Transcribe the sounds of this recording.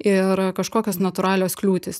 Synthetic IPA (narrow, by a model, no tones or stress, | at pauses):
ɪɾkɐʃkoːkʲoːsnɐt̪ʊɾɑːlʲoːsklʲuːt̪ʲɪs